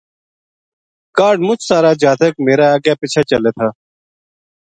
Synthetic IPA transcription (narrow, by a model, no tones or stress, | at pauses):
kaːɖmʊt͡ʃʰsaːɾaːd͡ʒaːt̪əkmeːɾaːaːɡjaːpit͡ʃʰaːt͡ʃəleːt̪ʰaː